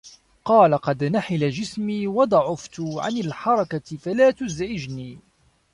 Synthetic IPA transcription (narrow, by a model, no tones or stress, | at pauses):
qɑːlaqɑd̪naħɪlad͡ʒɪsmiːwɑd̪ˤɑʕʊft̪ʊʕa̰nɪlħɑɾˤɑkafalaːt̪ʊzʕɪd͡ʒniː